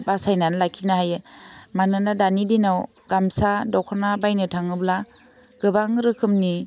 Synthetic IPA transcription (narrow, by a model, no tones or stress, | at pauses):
basajnanlakʰinaɦajɯmanɯnadanidinaw | ɡ̥amsadɔkʰɔɾnabajnɯtʰaŋɯbla | ɡ̥ɯbaŋɾɯkʰɯmni